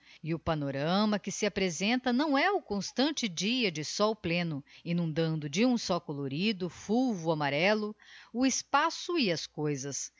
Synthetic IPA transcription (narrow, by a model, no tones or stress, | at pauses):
ɪʊpanoɾɐ̃mɐkɪsɪapɾezẽnt̪ɐnɐ̃w̃ɛʊkõst̪ɐ̃nt͡ʃɪd͡ʒiɐd͡ʒɪsɔwplẽnʊinũnd̪ɐ̃nd̪ʊd͡ʒɪũsɔkoloɾid̪ʊfuwvʊamaɾɛlʊʊɪspasʊiɐskojzɐs